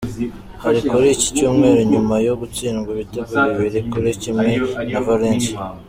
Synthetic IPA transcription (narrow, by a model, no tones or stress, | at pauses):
haɾikuɾici̥cuːmŋe̞ːɾuɲumajo̞ɡut͡siːnɡiβiteɡuβiβiɾikuɾicimŋe̞navaɾeːnsa